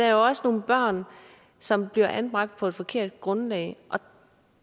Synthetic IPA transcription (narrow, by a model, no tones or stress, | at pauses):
dææɐjoɒ̽səno̝ːn̩b̥ɶɐ̰n | sɒ̽mb̥liɐʔænb̥ʁɑ̈ɡ̥̚d̥̚pʰɒ̽e̝d̥fɒ̽kʰe̝ɐ̰d̥̚ɡ̥ʁɔ̽nlɛːɪʔɒ̽